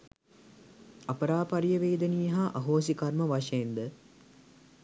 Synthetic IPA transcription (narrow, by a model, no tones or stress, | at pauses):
apəɾaːpaɾijəʋeːd̪ənijɐɦaʔɐɦoːs̬ikarməʋaʃəend̪ə